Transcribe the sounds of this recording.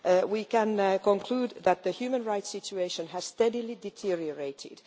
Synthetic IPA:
wiːkæ̃nkɔ̃nkʰl̥uːd̪ðæt̪̚ðəhjʉːmə̃nɹaɪtsɪt͡ʃueɪʃə̃næz̥stɛdilidɛtʰiɹiəɹeɪtʰɪ̰d̥

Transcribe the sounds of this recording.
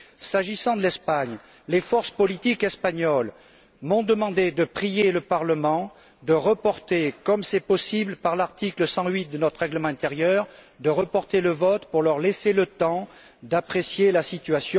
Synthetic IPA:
saʒisɑ̃d̪əlɛspaɲ | lefɔʁspɔlit̪ikɛspaɲɔl | mɔ̃d̪əmɑ̃d̪ed̪əpχijeləpaʁləmɑ̃ | d̪əʁəpɔʁt̪ekɔmsɛpɔsibləpaʁlaʁt̪ikləsɑ̃ɥit̪̚d̪ənɔt̪χəʁɛɡləmɑ̃ɛ̃t̪eʁjœʁ | d̪əʁəpɔʁt̪eləvɔt̪puʁlœʁleselət̪ɑ̃ | d̪apχesjelasit̪yasjɔ̃

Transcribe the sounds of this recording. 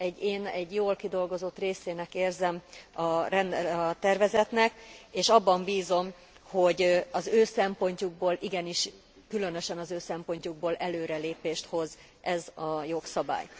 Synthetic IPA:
ɛɟːeːnɛɟjoːlkid̪o̞lɡo̞zo̞t̪ːreːseːnɛkeːrzɛmɒrɛnd̪ɒt̪ɛrvɛzɛt̪nɛkeːʃɒbːɒmbiːzo̞m | ho̞ɟɒzøːsɛmpo̞ɲcuɡ̚boːlʔiɡɛniʃ | kylø̞nø̞ʃɛnɒzøːsɛmpo̞ɲcuɡ̚boːlʔɛløːɾɛleːpeːʃt̪ho̞z | ʔɛzɒjo̞ksɒba̰ːj

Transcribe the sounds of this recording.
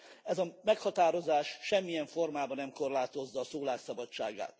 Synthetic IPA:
ɛzɒmɛkhɒt̪aːɾo̞zaːʃːɛmːijɛɱfo̞rmaːbɒnɛmko̞rlaːt̪o̞zːɒːsoːlaːksɒbɒt͡ʃt͡ʃːa̰ːɡa̰ːt̪

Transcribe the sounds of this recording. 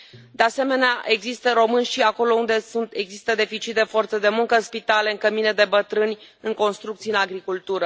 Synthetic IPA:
d̪ease̞me̞neaʔe̞ɡzist̪əɾo̞mɨnʲʃiako̞lo̞und̪e̞sunt̪e̞ɡzist̪əd̪e̞fit͡ʃit̪̚d̪e̞fo̞rt̪səd̪e̞muŋkəɨnspit̪ale̞ɨŋkəmine̞d̪e̞bət̪ɾɨnʲɨŋko̞nst̪ɾukt̪siɨnaɡɾikult̪uɾə

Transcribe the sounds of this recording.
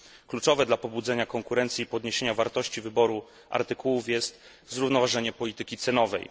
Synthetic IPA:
klut͡ʂɔvɛd̪lapɔbud̪zɛɲakɔŋkuɾɛnt̪sʲiːpɔd̪ɲeɕeɲavaɾt̪ɔɕt͡ɕivɘbɔɾu | ʔa̰ɾt̪ɘkuwufjɛst̪ | zɾuvnɔvaʐɛɲɛpɔlʲit̪ɘkʲit̪sɛnɔvɛ̰j

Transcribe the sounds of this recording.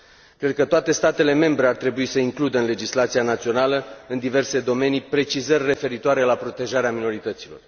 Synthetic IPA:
kɾe̞d̪̚kət̪oat̪e̞st̪at̪e̞le̞me̞mbɾeart̪ɾe̞buisəiŋklud̪əɨnle̞d͡ʒislat̪sianat̪sio̞naləɨnd̪ive̞rse̞d̪o̞me̞nipɾe̞t͡ʃizərʲːe̞fe̞ɾit̪oaɾe̞lapɾo̞t̪e̞ʒaɾeamino̞ɾit̪ət̪silo̞̰r

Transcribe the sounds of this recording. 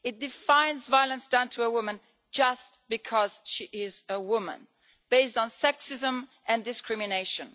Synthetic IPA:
ɨt̚d̥ɨfãɪ̃nzvaɪlˠə̃nsd̥ãʊ̃ntʰɨəwʊmə̃n | d͡ʒʌst̚b̥ɨkʰʌz̥ʃiʔɪzəwʊmə̰̃n | b̥eɪstn̩sɛksɨzə̃mʔɨ̃ndɨskʰɹ̥ɪmɨneɪʃɨ̃n

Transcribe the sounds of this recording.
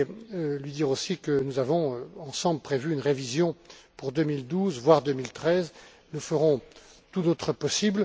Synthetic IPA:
lɥid̪iʁosikənuzavɔ̃ɑ̃sɑ̃bləpχevyynʁevizjɔ̃puʁd̪əmild̪uzvwaʁd̪ømilt̪χɛz | ləfəʁɔ̃t̪ut̪ot̪χəpɔsibl

